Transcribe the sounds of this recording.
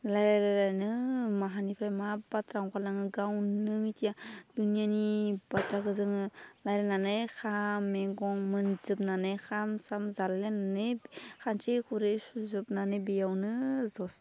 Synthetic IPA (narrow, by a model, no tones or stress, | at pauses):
lajɾajlajlajnɯmaɦanipʰɾajmabatʰɾaŋkʰalaŋɯɡawnɯmitʰijadunijanib̥atʰɾakɯzɯŋɯlajɾananɯjkʰamːeɡɔŋmɯnzɯp̚nanɯjkʰamsamzalːenanɯkʰant͡ʃekʰuɾesuzɯp̚nanɯbejawnɯzɔs